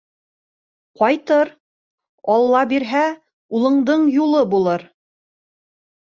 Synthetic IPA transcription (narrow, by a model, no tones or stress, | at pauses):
qɑjt̪ɤɾ | ɑlˠːɑbiɾɦæ | ulˠɤ̆ɴd̪ɤɴjulˠɤbulˠɤɾ